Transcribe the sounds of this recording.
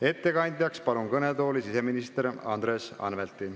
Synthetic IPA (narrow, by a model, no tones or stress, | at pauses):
e̞t̪ːe̞kɑnʲd̪ʲjɑkspɑlunkɤnet̪o̞ːlisise̞minist̪eɾɑ̰nd̪ɾeːsɑ̰nvelt̪ːˑi